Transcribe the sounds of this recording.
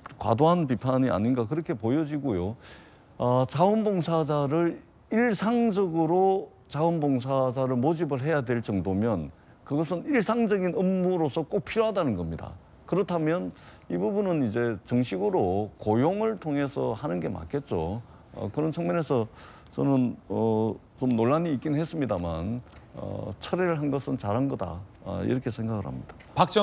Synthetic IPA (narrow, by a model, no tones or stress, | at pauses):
kwa̰doɦanp̬ipʰaɲia̰ɲinɡakɯɾʌkʰe̞pojʌd͡ʑiɡojo | ʌt͡ɕaɯnboŋsʰad͡ʑaɾɯɭ | iɭsʰaŋd͡ʑʌɡɯɾo | t͡ɕaɯnboŋs̬ʰad͡ʑaɾɯɭmod͡ʑibɯɭɦe̞jadwe̞ɭt͡ɕʌŋdomjʌn | kɯɡʌs̬ʰɯniɭsʰaŋd͡ʑʌɡinɯmːuɾosʰʌk͈ok̚pʰiɾoɦadanɯnɡʌmɲida̰ | kɯɾʌtʰamjʌnibubunɯnid͡ʑe̞t͡ɕɯŋɕʰiɡɯɾokojoŋɯɭtʰoŋe̞sʰʌhanɯnɡe̞ma̰ɭkʰe̞t̚t͡ɕ͈o | ʌ̰kɯɾʌnt͡ɕʰʌŋɲʌne̞sʰʌ | t͡ɕʌnɯnʌ | t͡ɕomnoɭːaɲiːk͈inɯnɦes͈ɯmɲidama̰nʌ̰t͡ɕʰʌɾeɾɯɭɦanɡʌsʰɯnt͡ɕaɾɦanɡʌda̰ | ḭɾʌkʰe̞sʰe̞ŋɡaɡɯɭha̰mɲid̥ḁ | pak̚t͡ɕ͈ʌ